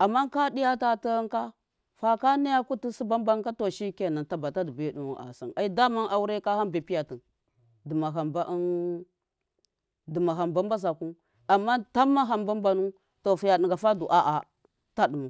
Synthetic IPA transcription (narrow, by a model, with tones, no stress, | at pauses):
a˨mːa˦ka˦di˦ja˦ta˦tə˦ŋka˦ | fa˦ka˦ni˦ja˦ku˦ti˦si˦ba˦mba˦ka˦to˨ʃi˦ke˨na˨nta˨ba˨ta˦di˨be˦du˨u˦˨a̰˨sa̰˨na˦i˦da˦ma˦nʔa˨wu˦ɾe˦ka˦ha˦be˨pi˦ja˨tə˨ | də˨ma˨ɦa˨mba˦ʔn | də˨ma˨ɦa˨mba˦mba˦z̬a˨ku˦ | a˨mːa˦ta˦mːa˦ɦa˨mba˦mba˦nu˦ | to˨fu˨ja˨ɗi˨ŋɡa˨fa˦du˨ʔa˦ʔa˨ | ta˦ɗə˨mu˨